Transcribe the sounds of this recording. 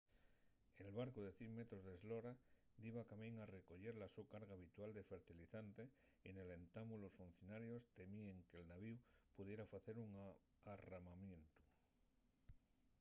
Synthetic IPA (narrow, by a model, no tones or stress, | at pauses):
elβaɾkoð̞e̞θjeŋmet̪ɾozðezloɾad̪iβakamẽŋareko̞ʎe̞ɾlasukaɾɣaːβ̞it̪wald̪efe̞ɾt̪iliθant̪e | enele̞nt̪amulosfun̟θjo̞naɾjo̞st̪e̞mieŋkelnaβiupuð̞jeɾafaθe̞ɾuŋ | aramamjẽ̞nt̪u̥